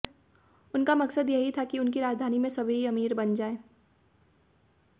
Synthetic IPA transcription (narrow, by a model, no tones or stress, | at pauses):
ʊnkamɐksəd̪jɐɦit̪ʰakiʊnkiɾaːd͡ʒd̪ʱaːnimẽsɐbʱiiɐmiːɾbɐnd͡ʒaːeː